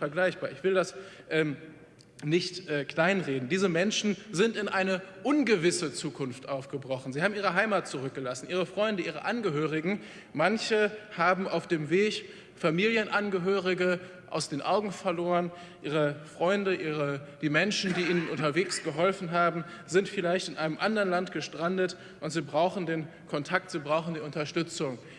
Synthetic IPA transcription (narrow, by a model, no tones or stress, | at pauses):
fɛɐɡlaɪçb̥aːɐɪçv̥ɪldasʔɛːm | nɪçtʔɛːkl̥aɪnʁeːdn̩diːzəmɛnʃn̩zɪntɪnʔaɪnəʔʊnɡəvɪsət͡suːkʰʊnftʔaʊfɡ̥əbʁɔχn̩ziːhaːbmiːʁ̞əɦaɪmat̚t͡suʁʏk̚ɡ̥əlasn̩ʔiːʁ̞əfʁ̥ɔʏndəiːʁə̰ʔanɡəɦøːʁ̞ɪɡŋ̩ | mançəhaːbm̩aʊfd̥eːmveːç | famiːljənʔanɡəɦøːʁɪɡə | ʔa̰ʊsd̥eːnʔaʊɡŋ̩fɛɐloːʁən | ʔiːʁəfʁ̥ɔʏndəʔiːʁəd̥iːmɛnʃn̩diːiːnənʔʊntɐveːksɡ̥əɦɔlfn̩ɦaːbm̩ | zɪntfɪlaɪçtɪnʔaɪnəmʔandɐʁnlantɡ̥əʃtʁ̥andət | ʔʊntz̥iːbʁaʊxn̩deːn | kʰɔntʰak̚tz̥iːbʁaʊxn̩diːʊntɐʃtʏt͡sʊŋ